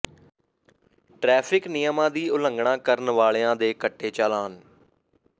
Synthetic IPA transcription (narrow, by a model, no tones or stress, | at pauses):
ʈɾɛːpʰɪknɪjəmãːd̪iːʊləŋɡɳãːkəɾnʋaːɭeːãːd̪eːkəʈːeːt͡ʃaːlaːn